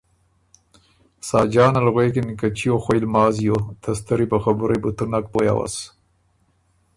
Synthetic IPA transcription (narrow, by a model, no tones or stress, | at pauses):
sɑːd͡ʒɑːnalɣwekinkat͡ʃijoxojlmɑːzijot̪ʰɐst̪əɾipəxabuɾebut̪unak̚poja̰wa̰s